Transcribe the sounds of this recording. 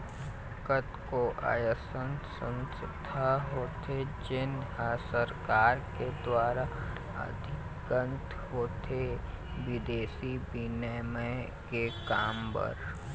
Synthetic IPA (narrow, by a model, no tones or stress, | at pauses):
kət̪koʔa̰ːjəsə̃nsə̃nst̪ʰaɦoːt̪ʰed͡ʒɪnɦasəɾkaːɾked̪waːɾa | ə̰d̪ʱɪkɡə̃nt̪ | ɦoːt̪ʰeʋɪd̪eːsibinəmə | kekaːmpə̰ɾ